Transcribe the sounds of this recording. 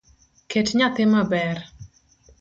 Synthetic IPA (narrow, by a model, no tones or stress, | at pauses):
kʰetɲat̪ɪmabɛr